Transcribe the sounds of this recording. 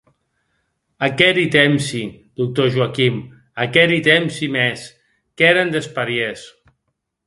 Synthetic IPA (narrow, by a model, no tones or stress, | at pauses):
akɛɾit̪emsid̪uk̚t̪oʒuakim | akɛɾit̪emsimes | kɛɾend̪espaɾjes